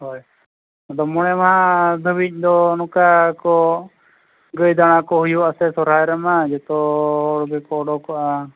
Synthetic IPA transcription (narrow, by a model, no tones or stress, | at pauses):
ɦɔj | d̪ɔmɔɽ̃ɛmaɦad̪ʱəbic̚d̪ɔnukakɔ | ɡəjd̪aɽ̃akɔɦujuasɛsɔɾ̤ajɾɛmad͡ʒɛt̪ɔːɽbɛkɔːɽɔkɔʔa